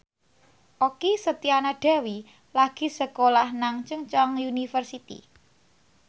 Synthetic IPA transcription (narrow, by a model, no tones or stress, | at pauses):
ʔokisət̪ianaɖ̥ä̤wi | laɡ̥i̤səkolahnaŋt͡ʃəŋt͡ʃɔŋjunifərsit̪ḭ